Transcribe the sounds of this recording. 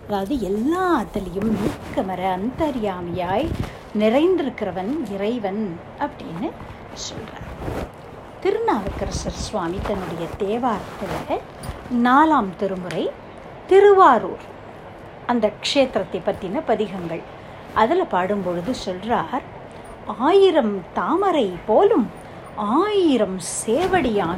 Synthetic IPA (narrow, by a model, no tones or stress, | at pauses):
ɐðaːʋɐðɯɛlːaːɐt̪ːɐlɐjɯmniːkːɐmɐɾɐɐnt̪ɐɾɪjaːmɐjaːj | nɪrɐɪnd̪ɪɾɯkːɪɾɐʋɐnɪrɐɪʋɐn | ʔɐpːɐɽɪjnːɯ | sɔ̰lra̰ːɾ | t̪ɪɾɯnaːʋɐkːɐɾɐsɐɾsʋaːmit̪ɐnːɯɽɐjɐt̪eːʋaːɾɐt̪ːɐlɐɐ | naːlaːmt̪ɪɾɯmɯɾɐɪ | t̪ɪɾɯʋaːɾuːɾ | ɐnd̪ɐkʂeːt̪ɾɐt̪ːɐɪpːɐʈ̪ːɪnɐpɐðɪɣɐŋɡɐɭ | ʔɐðɐlɐpaːɽɯmpɔɻɯðɯsɔlraːɾ | aːjɪɾɐmt̪aːmɐɾɐɪpoːlɯm | aːjɪɾɐmseːʋɐɽɪjaːn